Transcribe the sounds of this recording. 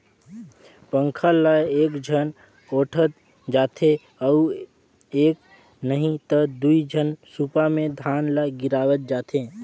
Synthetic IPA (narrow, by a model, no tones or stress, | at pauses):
pəŋkʰələeːkd͡ʒʱən | oːʈʰət̪ | d͡ʒaːt̪ʰe | əu | ek | nəɦĩt̪əd̪uid͡ʒʱənsupamed̪ʱaːnləɡiɾaːwət̪̚d͡ʒaːt̪ʰe